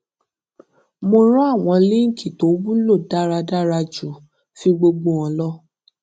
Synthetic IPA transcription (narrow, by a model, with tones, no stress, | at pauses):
mo˧ɾɔ˦a˦˨w̃ɔ̃˨˧li˦ŋ̩˦˨kʰi˨to˨˦bũ˦lo˦˨da˦ɾa˧da˦ɾa˧d͡ʒu˨ | fĩ˧ɡ͡bo˧ɡ͡bo˧ɔ̃˧lɔ˦